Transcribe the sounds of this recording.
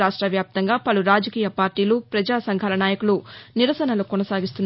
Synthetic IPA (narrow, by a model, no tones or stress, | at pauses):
aːʂʈɾɐʋjaːp̚t̪ɐŋɡaːpɐluɾaːd͡ʒɐkiːjɐpaːɾʈiːluːpɾɐd͡ʒaːsɐŋɡʱaːlɐnaːjɐkuluniɾɐsɐnɐlukɔnɐsaːɡist̪unː